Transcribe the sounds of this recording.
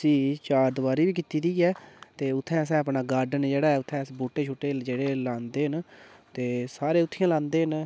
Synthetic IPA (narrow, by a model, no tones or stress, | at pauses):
sĩːt͡ʃaːɾd̪əʋaːɾiːʋiːk̬iːt̪iːd̪iːɛːt̪eːʊt̪ʰːɛ̃ːs̬ɛ̃ːəpɳaːɡaːɾɖənd͡ʒeːɽaːɛːʊt̪ʰːɛ̃ːsboːʈːeːt͡ʃʰoːʈːeːd͡ʒeːɽeːlãːnd̪eːɦənt̪eːsaːɾeːʊt̪ʰːijãːlãːnd̪eːɦən